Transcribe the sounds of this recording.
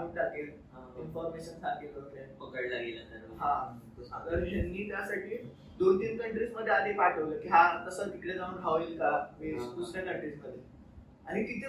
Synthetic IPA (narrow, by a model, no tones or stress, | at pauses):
iːd͡zʱak̪il | ɦainfɔɾmeɕənd͡zʱak̪ikəɾəlepəkəɭd͡zaɡilət̪əɾɦã | oaɡəɾd͡ʑənːiːt̪jasaʈʰiː | d̪ont̪iːnkəɳʈɾiːsməd̪ʱːead̪epaʈʰəʋləkiɦãt̪əsəikɽed͡zaʋənɡʱaʋilk̪aʋeskusɾakəɳʈɾiːsməd̪ʱːje | aɽ̃ikit̪ʰi